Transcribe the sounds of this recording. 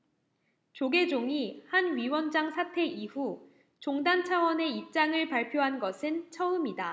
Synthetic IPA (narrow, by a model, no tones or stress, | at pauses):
t͡ɕoɡe̞d͡ʑoŋihanɥiwʌnd͡ʑaŋsʰatʰe̞ʔiɸu | t͡ɕoŋdant͡ɕʰawʌne̞ip̚t͡ɕ͈aŋɯɭpaɭpʰjoɦanɡʌsʰɯnt͡ɕʰʌɯmida